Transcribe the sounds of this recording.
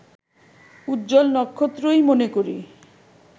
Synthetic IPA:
udd͡ʒolnɔkʰːot̪ɾojmonekoɾḭ

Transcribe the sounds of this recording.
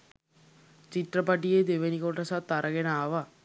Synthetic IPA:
t͡ʃiʈrəpaʈ̬ijed̪eʋenikoʈəsat̪ːaɾʔəɡenaːʋa

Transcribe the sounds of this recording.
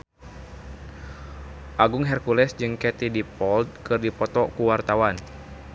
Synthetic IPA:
ʔaɡʊŋɦɛrkulɛsd͡ʒɨŋkɛt̪idipɔld̪̚kɨrdipɔt̪ɔkuwart̪awan

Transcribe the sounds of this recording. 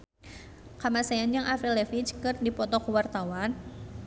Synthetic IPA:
kamasajanjaŋʔafɛlɛfit͡ʃkɨrdipɔt̪ɔkəwart̪awan

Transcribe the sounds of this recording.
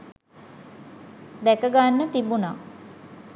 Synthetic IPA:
d̪ɛkəɡanːət̪ibuna

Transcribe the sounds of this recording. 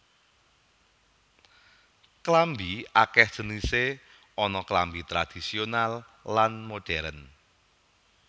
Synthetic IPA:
klambiakɛhʒ̥ə̤nise | ɔnɔklambit̪ɾad̪̥isionalː | anmoɖ̥ɛɾən

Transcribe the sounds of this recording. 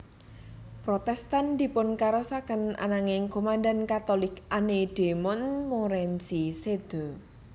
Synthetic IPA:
pɾot̪ɛst̪and̪̥i̤pʊnkaɾɔsakənʔa̰naŋɪŋkomand̪ankat̪olɪkʔaned̪̥e̤mɔnmoɾɛnsised̪̥ɔ

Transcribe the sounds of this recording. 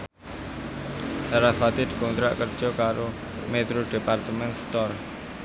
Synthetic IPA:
saɾafat̪id̪̥i̥kɔnt̪ɾa̰ʔkərd̥ʒ̥ɔ̤kaɾo | met̪ɾoɖ̥e̤part̪əmɛnst̪ɔr

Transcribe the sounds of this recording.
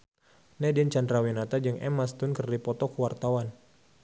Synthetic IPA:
nɛdɛnt͡ʃandɾawinat̪ad͡ʒɨŋʔɛ̰mast̪ʊnkərdipɔt̪ɔkuwart̪awan

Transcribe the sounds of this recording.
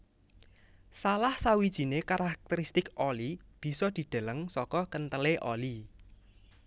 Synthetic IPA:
salahsawid̥ʒ̥i̤nekaɾak̚t̪əɾist̪ɪkɔlib̥i̤sɔd̪̥i̤d̪̥a̤ləŋsɔkɔkənt̪əleʔɔli

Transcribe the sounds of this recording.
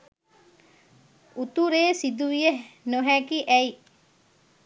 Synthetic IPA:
ut̪uɾeːsid̪uʋijenoɦækiʔɛi

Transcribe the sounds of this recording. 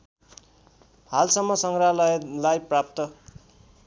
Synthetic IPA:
halsʌmːʌsʌŋɡrallajprap̚t̪ʌ

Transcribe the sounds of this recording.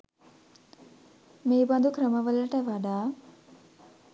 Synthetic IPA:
meːbɐnd̪ukɾəməʋəlɐʈəʋaɖaː

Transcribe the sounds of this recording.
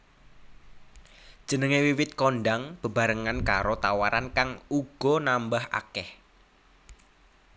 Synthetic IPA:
d̥ʒ̥ə̤nəŋewiwɪt̪̚konɖaŋb̥ə̤b̥a̤ɾəŋankaɾot̪awaɾankaŋuɡ̥ɔ̤nambaha̰kɛh

